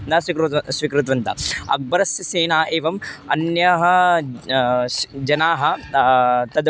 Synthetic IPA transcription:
d̪asʋikɾsʋikɾut̪ʋɐnt̪ɐ̰ɐ̰k̚bɐɾɐsjɐseːnaːʔeːʋɐmɐnjɐɦɐ | d͡ʒɐnaːɦɐ | t̪ɐd̪

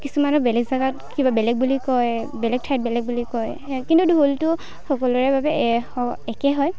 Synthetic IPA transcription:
kisumanɔbɛlɛɡzaɡatkibabɛlɛɡ̚bulikɔj | bɛlɛɡ̚tʰajt̚bɛlɛɡ̚bulikɔj | kintudʱoltʊ | xɔkɔlɔɹɛbabɛɔɛkɛɦɔj

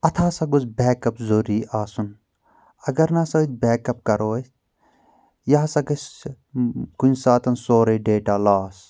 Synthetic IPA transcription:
ɐt̪ʰaːsɐɡuzbɛːkɐpzoɾiːʔaːsun | ɐɡɐɾnɐsɐd̪̚bɛːkɐp̚kɐɾoːs | jaɦsɐɡɐs | kunsaːt̪ɐnsoːɾɐɖeːʈaːlaːs

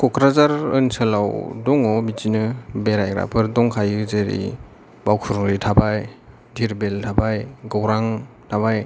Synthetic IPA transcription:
kʰɔkʰɾazaɾɯnsalawdɔŋɔbitinɯbeɾajɡɾa̰pʰɯɾdɔŋkʰajɯzeɾḭ | bawkʰuɾŋɾitʰabaj | dʱiɾbeltʰabajɡɔwɾaŋ | tʰabaj

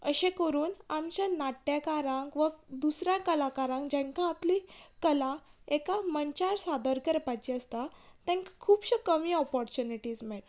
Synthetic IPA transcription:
əɕẽkəɾuːnamt͡ɕanaʈːjakaɾãŋkʋəd̪usɾjakəlakaɾãŋkd͡ʑẽŋkãːplikəlaekaməɲt͡ɕaɾsad̪əɾkəɾpat͡ɕiəst̪at̪ɛ̃ŋkkʰuːbɕəkəmiːɔpɔɾt͡ɕuniʈiːd͡zmeʈ

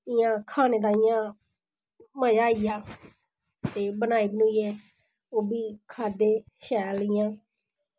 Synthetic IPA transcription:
ɪjãːkʰaːneːd̪ãːɪjãː | məd͡ʒaːiːjaː | t̪eːbənaːiːbənuːiːɛː | oːbiːkʰaːd̪eː | ʃɛːlɪjãː

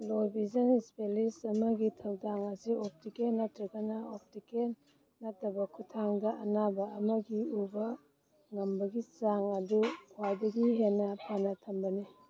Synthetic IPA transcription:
lobʱizɐnspelisɐmɐɡitʰɐwdaŋɐsiop̚tikenːɐtɾɐɡɐnɐop̚tiken | nɐtːɐbɐkʰutʰaŋdɐʔɐnabɐɐmɐɡiubɐ | ŋɐmbɐɡit͡ʃaŋɐdukʰwajdɐɡiɦenːɐpʰanɐtʰɐmbɐni

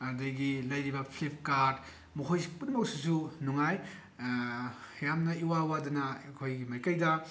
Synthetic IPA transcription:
ɐdɐjɡilɐjɾibɐpʰlipʰkaɾd | mukʰojsipunɐmɐk̚susunuŋaj | jamnɐiwawadɐnɐɐkʰojɡimɐjkɐjdɐ

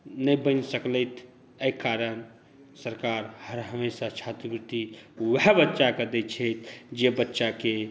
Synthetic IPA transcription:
nəjbənsəklət̪ʰ | əjkːaɾən | səɾkaɾhəɾɦəmesat͡ʃʰat̪ɾəpɾut̪iwɦɛbətːʃakəd̪et͡ʃʰəjt̪ʰd͡ʒebətːʃake

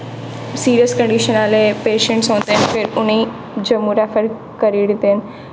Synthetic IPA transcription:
siːɾijəskɐ̃ɳɖiːʃənaːlepeːʃə̃ɳʈsɦõːnd̪enfʰɪɾʊni | d͡ʑɐmuːɾafəɾ | kɐɾiɽĩnd̪en

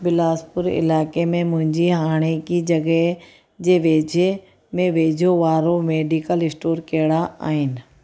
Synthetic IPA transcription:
bɪlaːspʊɾɪ̰laːkemẽmʊ̃ɦɪ̃ɲd͡ʑiɦaːɽ̃ekid͡ʑɐɡə | d͡ʑeːʋeːd͡ʑʱe | mẽʋeːd͡ʑʱoʋaːɾomeːɖikəlɪsʈoːɾkeːɽaa̰ːɦɪnɪ̆

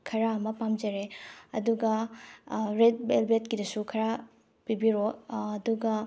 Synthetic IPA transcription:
kʰɐɾaɐmɐpamd͡ʒɐɾeɐ̰duɡɐ | ɾet̚belbetkidɐsukʰɐɾa | pibiɾoːduɡɐ

